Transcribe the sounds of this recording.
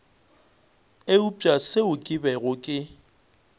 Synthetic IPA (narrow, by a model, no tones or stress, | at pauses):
eup͡ʃʼasɪʊkʼɪbɛɣʊkʼɪ